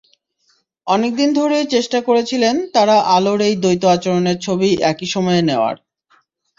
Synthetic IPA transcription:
ɔnek̚d̪ind̪ʱoɾet͡ɕeʃʈakoɾet͡ɕʰilent̪aɾaʔaloɾejd̪ojt̪oat͡ɕoɾoneɾt͡ɕʰobiʔɛkiʃɔmɔeneoa̰ɾ

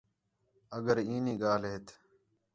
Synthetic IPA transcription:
əɡəɾiːniːɡaːlɦeːt̪ʰ

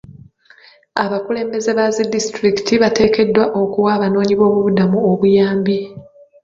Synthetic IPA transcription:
aβakule̞ːmbe̞ze̞βazidːistɾiki̥tiβate̞ːke̞dːwaʔo̞kuwaːβano̞ːɲiβo̞ːβuβudamuoβujaːmbi

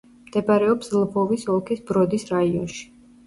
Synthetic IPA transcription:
md̪̥ɛbaɾɛɔpslˠbɔvisɔlˠkʰisbɾɔd̪isɾaiɔnʃi̥

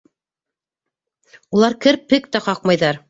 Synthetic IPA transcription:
ulˠɑɾkɘɾpːɘk̚t̪æqɑq̚mɑjðɑɾ

